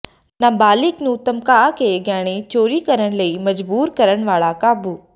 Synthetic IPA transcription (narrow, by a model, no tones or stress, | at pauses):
nabaːlɪknũːt̪ɐmkaːkeɡjaːɽ̃et͡ʃoːɾikɐɾənlɐimɐd͡ʒbuːɾkɐɾəɳ̃ʋaːɭakaːbu